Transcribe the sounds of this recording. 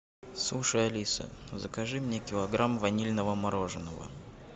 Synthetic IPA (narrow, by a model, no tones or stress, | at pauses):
slˠuʂəjɐlʲisə̰zəkɐʐɨmnʲekʲɪlˠɐɡɾamvɐnʲilʲnəvəmɐɾoʐɨnəvə̰